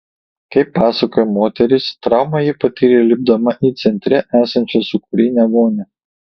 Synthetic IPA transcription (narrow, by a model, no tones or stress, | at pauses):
kɐɪpːɑːsɐkoːjɛmoːt̪ʲɛɾʲɪst̪ɾɑˑʊmɐjipɐt̪ʲiːɾʲelʲɪb̚d̪ɐmɐʔiːt̪sʲɛnʲt̪ʲɾʲɛʔæːsɐnʲt͡ʃʲɛsʊkʊɾʲɪnʲɛʋoːnʲɛ